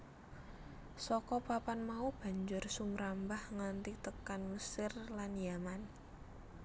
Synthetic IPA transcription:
sɔkɔpapanmaub̥ä̤ɲd͡ʒʊrsumɾambahŋant̪it̪əkanməsɪrlanjaman

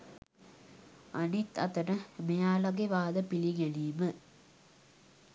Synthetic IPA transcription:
ɐnit̪ɐt̪ɐnɐmejaːlɐɡeʋaːðɐpiliŋɐniːmə

